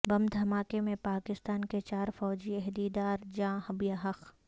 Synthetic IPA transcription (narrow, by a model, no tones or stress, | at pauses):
bɐmd̪ʱɐmaːkemẽpaːkɪst̪aːnket͡ʃaːɾfɔːd͡ʒiɛɦd̪iːd̪aːɾd͡ʒãːhɐbijaːɦɐq